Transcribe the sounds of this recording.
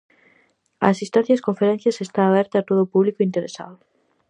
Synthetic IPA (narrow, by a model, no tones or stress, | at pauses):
ɐ̰asist̪ãθjaskõɱfeɾẽn̟θjɐsest̪aːβɛɾt̪aːt̪oðoːpuβlikoint̪eɾesa̰ðʊ